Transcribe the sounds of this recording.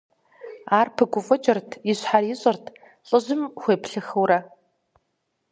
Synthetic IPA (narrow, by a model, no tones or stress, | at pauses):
aːrpʰɨɡʷʊfʼɔt͡ʃʼɪrtʰiɕħariɕʼɐrtʰ | ɬʼɨʑɪmxʷeːpɬɨxɨwrɐ